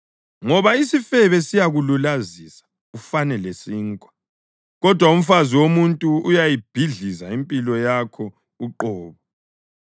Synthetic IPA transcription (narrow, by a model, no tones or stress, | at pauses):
ŋɔβaisifɛβɛsijaɣululazisḁ | ufanɛlesiːŋkʼwa | ɣɔd̥ʱwaum̩faziwomuntʼuujajib̥ʱiɮizaimpʼilɔjakʰɔ | uǃɔːβɔ